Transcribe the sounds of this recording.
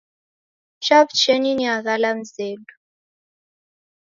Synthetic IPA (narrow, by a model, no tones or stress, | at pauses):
t͡ʃaβt͡ʃɛniniaɣalam̩zeːlu